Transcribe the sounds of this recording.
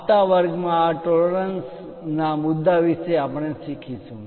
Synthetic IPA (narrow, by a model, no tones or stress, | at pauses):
t̪aʋəɾɡmãːʈoləɾəns | namʊd̪ːaʋiʃeapəɳ̃eʃikʰit͡ʃʰũ